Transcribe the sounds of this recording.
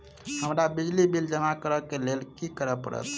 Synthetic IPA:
həmɾabid͡ʒlibild͡ʒəmakəɾəkelelkikəɾəpə̰ɾə̰t̪

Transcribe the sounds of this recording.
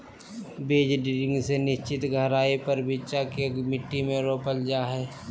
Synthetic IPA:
beːd͡ʒɖɪɾɪ̃ŋɡsenɪʃt͡ʃɪt̪ɡʱəɾaːipəɾbʱɪt͡ʃakeɡmɪʈːimẽɾoːpəld͡ʒaːɦɛː

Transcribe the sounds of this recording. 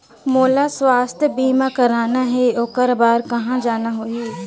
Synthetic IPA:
moːlaswaːst̪ʰjəbiːmakɐɾaːnaɦɛoːkəɾbaːɾkɐɦãd͡ʒaːnaɦoːieː

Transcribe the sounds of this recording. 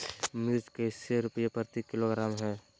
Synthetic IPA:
mɪɾd͡ʒkeseɾʊpəjepəɾt̪ikːɪloɡɾaːmɦɛː

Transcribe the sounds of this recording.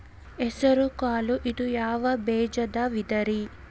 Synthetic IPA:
ɛsɐɾukaːluʔid̪ujaːʋɐbɛːd͡ʒɐd̪ɐʋid̪ɐɾi

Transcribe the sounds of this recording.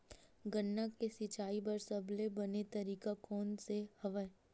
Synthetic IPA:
ɡənːakesɪt͡ʃaːipɐɾsɐblebɐnet̪ɐɾiːkakɔːnsehɐʋə

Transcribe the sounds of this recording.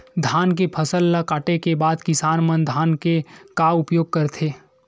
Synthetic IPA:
d̪ʱaːnkepʰɐsəlːakaːʈekebaːd̪kɪsaːnmənd̪ʱaːnkekaʊpjoːɡ̚kɐɾt̪ʰeː

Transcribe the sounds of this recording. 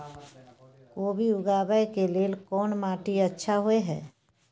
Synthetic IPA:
koːbiʊɡaːbəjkeleːlkɔːnmaːʈiətːʃʰaɦoeɦɛ̰ː

